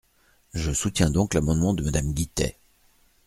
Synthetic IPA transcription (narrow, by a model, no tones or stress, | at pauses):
ʒəsut̪jɛ̃d̪ɔ̃klamɑ̃d̪mɑ̃d̪əmad̪amɡʲit̪ɛ̰